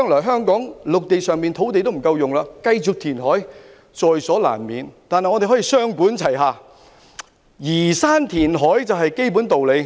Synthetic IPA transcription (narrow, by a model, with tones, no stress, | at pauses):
ŋlɔː˨˩jɦœː˥ŋkɔː˨˥ŋlʊ˨k̚t̪e˨jsœː˨ŋmi˨nt̪ʰo˨˥wt̪e˨jt̪o˥m̩˨˩kɐ˧wjʊ˨ŋlaː˧kɐ˧jt͡sʊ˨k̚t̪ʰiː˨˩nɦɔː˨˥j | t͡ʃɔː˨jsɔː˨˥la̰ː˨˩nmiː˨˧nt̪aː˨nhjŋɔː˨˧te˨˩ɦɔː˨˥jiː˨˧sœː˥ŋpuː˨˥nt͡sʰɐ˨˩jɦaː˨˧ | jiː˨˩saː˥nt̪ʰiː˨˩nɦɔː˨˥jt͡sɐ˨wɦɐ˨jke˥jp̬uː˨˥nt̪o˨wle˨˧j